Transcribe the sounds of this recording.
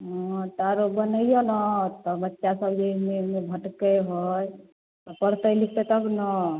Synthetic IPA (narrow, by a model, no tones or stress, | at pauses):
ɦɔ̃t̪aɾobənəijonət̪ɔbətːʃasəbd͡ʒeimemebʱəʈkəɦoj | t̪ɔpəɾt̪əjlik̚ʰt̪et̪əbnə